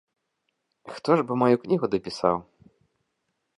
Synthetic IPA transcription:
xt̪ɔʐbɨmajuknʲiɣud̪ɐpʲisa̰w

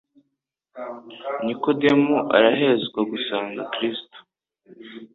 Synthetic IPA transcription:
nikodemuʔa̰ɾaɦe̞zɡwaɡusaːŋɡakɾiːsto̥

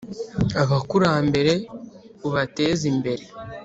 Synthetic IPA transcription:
aβakuɾaːmbe̞ɾe̞ | βuβate̞ːzimbe̞ɾe̞

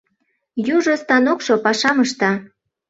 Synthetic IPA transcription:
juʒost̪ɑnokʃopɑʃɑməʃt̪ɑ

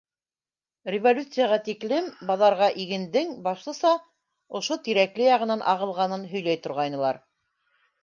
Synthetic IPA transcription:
rʲɪvolʲut̪sɨjaʁɑt̪iklɘmbɑðɑɾʁɑʔiɡɘ̆nd̪ɘŋbɑʃlˠɤ̆sɑ | ŏʃot̪iɾæklɘjɑʁɤ̆nɑnʔɑʁɤ̆lˠʁɑnɤnɦɵ̆jlæjt̪ŏɾʁɑjnɤ̆lˠɑɾ

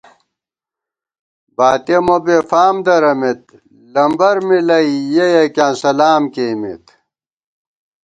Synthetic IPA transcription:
baːt̪emobefaːmd̪ɐɾɐmet̪̚ | lɐmbɐɾmilɐijejɐkjãːnsɐlaːmkeːmḭt̪

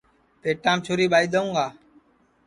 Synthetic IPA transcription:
peːʈãːmt͡ʃʰoːɾiːɓaːiːd̪əũːŋɡaː

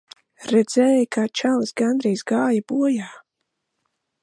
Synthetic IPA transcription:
ɾɛd̪z̥ɛːjkaːt͡ʃalˠɨsɡand̪ɾɛjsɡaːjabuɔjaː

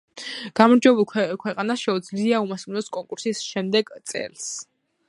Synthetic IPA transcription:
ɡ̥amɔɾd͡ʒwɛbulˠʰkʰwɛqʼanaʃɛud̪zliaumasunɔskʼɔŋkʼuɾsisʃɛmd̪ɛɡ̥t̪sʼɛ̰ls

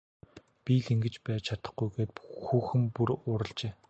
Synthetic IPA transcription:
pʲiɮiŋɡɘ̆t͡ɕpæːt͡ɕʰat̪ə̆χɡujɡeːt̪̚xuːxɘ̆mpuɾʊːɾə̆ɮt͡ɕeː

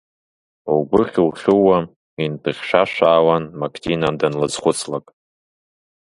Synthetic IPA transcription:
ubɨχʲuχʲuwa | intʰɨχʲʃʷaʃaːwanmakʰtʰinadanlɨzχʷʊt͡sʰlakʼ

